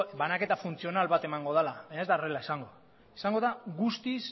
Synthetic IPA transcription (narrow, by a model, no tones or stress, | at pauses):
βanake̞t̪afunt͡sio̞nalβat̪e̞maŋɡo̞ð̞alaβajɲaezd̪arelaesaŋɡo̞ | esaŋɡo̞ðaɣust̪is